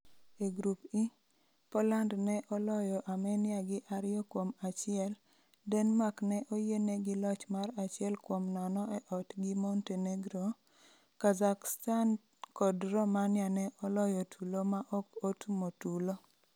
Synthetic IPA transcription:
eɡɾupi | pɔlandnɛʔɔlɔjɔʔamɛnɪaɡɪʔaɾɪɔkwomat͡ʃɪɛl | dɛnmaknɛʔojenɛɡɪlɔt͡ʃmarat͡ʃɪɛlkwomnɔnɔɛʔɔtɡɪmonteneɡɾo | kazakstan | kɔdɾɔmanjanɛʔɔlɔjɔtʰulomaʔɔkotumotulo

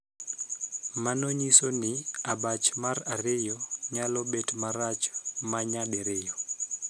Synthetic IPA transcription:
manoɲisonɪabat͡ʃmaɾaɾɪjɔɲalɔbetmaɾat͡ʃmaɲadeɾɪjo

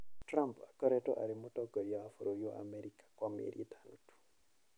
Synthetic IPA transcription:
tɾampakɔɾɛtɔ̰ʔa̰ɾimotɔɡɔɾjaafuɾojɔa̰mɛɾikḁkwamḛɾietanotu̥

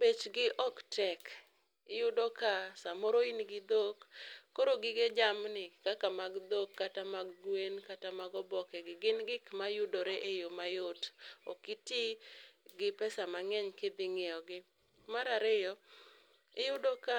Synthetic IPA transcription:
bet͡ʃɡɪʔɔktɛk | ɪjʊdokasamɔɾoinɡɪd̪okːoɾoɡɪɡed͡ʒamnɪkakamaɡd̪okːatamaɡɡwenkatamaɡɔbɔkɛɡɪɡɪnɡɪkmajʊdoɾeʔejomajʊtɔ̰kɪtɪɡɪpɛsamaŋɛɲked̪ɪŋɛjɔɡɪ | maɾaɾɪjɔ | ɪjʊdoka

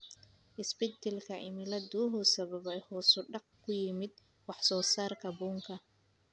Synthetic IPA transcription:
ʔɪsbɛt̪ɛlkʰɐʔɪmɪlɐd̪uːɦʊsɐβɐβɛjhɔːsʊɖɑq̚kʰʊjɪmɪd̪̚ | wɑħsɔːsaːrkʰɐbuːŋkʰɐ

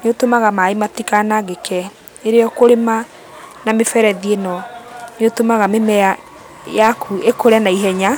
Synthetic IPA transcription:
neotomaɣamaematikanaɣekʰɛ | eɾeɔkoɾema | namefɛɾɛðienɔneotomaɣamemɛa | jakʰuekoɾɛnaiɦɛɲa

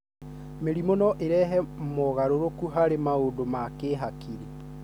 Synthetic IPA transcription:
meɾimonɔʔeɾɛɦɛmoɣaɾoɾokuɦaɾemaodomakeːɦakiɾi

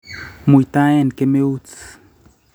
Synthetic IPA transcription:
mujt̪aenkemeut͡s

